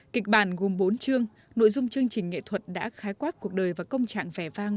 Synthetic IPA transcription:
ki˨˩k̟̚ɓaː˧˩nɣo˨˩mɓo˨˦nt͡ɕɨ˧əŋ | no̰˧˨jzʊ˧ŋ͡mt͡ɕɨ˧əŋt͡ɕï˨˩ŋ̟ːŋḛ˧˨t̪ʰwə˨˩t̚ɗa̰ː˧˥xaː˨˦jkwaː˦˥t̚ku˨˩ək̚ɗəː˨˩jvaː˨˩kə˧wŋ͡mt͡ɕa̰ː˧˨ŋvɛ˧˩vaː˧ŋ

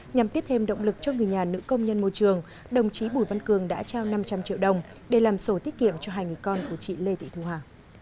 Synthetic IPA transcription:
ɲa˨˩mt̪i˦˥əp̚t̪ʰe˧mɗə̰˧˨wŋ͡mlɨ˨˩k̚t͡ɕɔ˧ŋɨ˨˩əjɲaː˨˩nɨ̰˧˥kə˧wŋ͡mɲə˧nmo˧jt͡ɕɨ˨˩əŋ | ɗə˨˩wŋ͡mt͡ɕi˨˦ɓu˧˩jva˧nkɨ˨˩əŋɗa̰ː˧˥t͡ɕaː˧wna˧mt͡ɕa˧mt͡ɕḭ˧˨əwɗə˨˩wŋ͡m | ɗe˧˩laː˨˩mso˧˦t̪i˦˥ət̚kḭ˧˨əmt͡ɕɔ˧ɦaː˧jŋɨ˨˩əjkɔ˧nku˧˩ət͡ɕḭ˧˩le˧t̪ḭ˧˨t̪ʰu˧˩haː˨˩

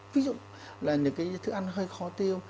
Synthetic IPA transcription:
vi˨˦zʊ̰˧˨ŋ͡m | laː˨˩ɲɨ̰˨˦˥kaː˨˦˧jt̪ʰɨ˨˦˥ʔa˧jŋ̟ɦəː˧jxɔ˨˦t̪i˧əw

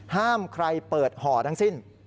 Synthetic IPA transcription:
haː˥˩mkʰɾa˧jpɤː˨˩t̪̚hɔː˩˦t̪ʰa˧˥ŋsi˧˥˩n

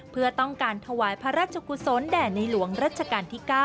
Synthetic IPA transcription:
pʰɯ˥˩ɐt̪ɔ˥˩ŋkaː˧nt̪ʰa˧waː˩˦jpʰa˧ɾaː˥˩t̪̚t͡ɕʰa˧ku˧so˨˦˥ndɛː˨˩na˧jlu˩˦əŋɾaː˥˩t̪̚t͡ɕʰa˧kaː˧nt̪ʰiː˥˩kaː˥˩

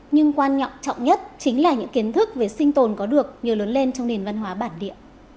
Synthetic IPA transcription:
ɲɨ˧ŋkwaː˧nɲɔ̰˧˨wŋ͡mt͡ɕɔ̰˧˨wŋ͡mɲə˦˥t̚t͡ɕï˨˦ŋ̟laː˨˩ɲɨ̰˧˥ŋki˨˦ənt̪ʰɨ˦˥k̚ve˨˩sï˧ŋ̟t̪o˨˩nkɔ˨˦ɗɨ˨˩ək̚ɲɨ˨˩ələ˨˦nle˧nt͡ɕɔ˧wŋ͡mɗe˨˩nva˧nɦwaː˨˦ɓaː˧˩nɗḭ˧˨əw

